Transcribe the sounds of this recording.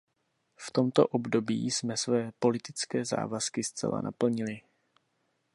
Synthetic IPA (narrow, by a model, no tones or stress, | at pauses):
ft̪o̞mt̪o̞̰ʔo̞bdo̞bḭːsmɛsvɛːpo̞lɪt̪ɪt͡skɛːza̰ːvaskɪst͡sɛ̰la̰nʔa̰pl̩ɲɪlɪ